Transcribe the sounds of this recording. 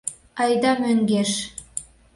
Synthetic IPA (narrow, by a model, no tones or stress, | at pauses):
ɑjd̪ɑmøŋɡeʃ